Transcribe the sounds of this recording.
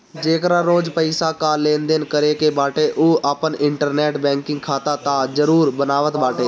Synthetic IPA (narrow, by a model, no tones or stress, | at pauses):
d͡ʒeːkɾãːɾoːd͡ʒpəɪsaːkaːlːẽːnd̪eːnkəɾeːkeːbaːʈeːʔʔuːaːpənɪɳʈəɾnɛːʈbɛ̃ːŋkɪ̃ŋɡkʰaːt̪aːt̪ãːd͡ʒəɾuːɾbənaːʋət̪baːʈeː